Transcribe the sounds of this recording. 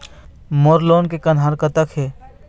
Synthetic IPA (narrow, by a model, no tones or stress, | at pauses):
moːɾloːnkekɐnɦaːɾkət̪əkɦeː